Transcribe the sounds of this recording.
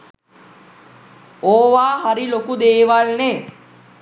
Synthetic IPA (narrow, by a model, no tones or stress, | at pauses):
oːʋaːɦaɾilokud̪eːʋalne